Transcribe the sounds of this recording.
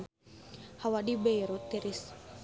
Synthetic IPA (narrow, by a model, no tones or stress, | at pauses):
hawadibeɾut̪iɾis